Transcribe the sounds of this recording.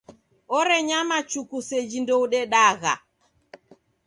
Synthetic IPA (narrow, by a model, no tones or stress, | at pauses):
ɔɾɛɲamat͡ʃukusɛd͡ʒindɔuɗɛɗaɣa̰